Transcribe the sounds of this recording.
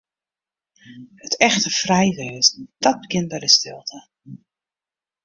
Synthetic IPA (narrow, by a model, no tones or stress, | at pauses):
hətɛxtəfrɛjʋɪːɪsd̥ɔt̚bəkɪn̚bɛjdəstɪlˠtʰə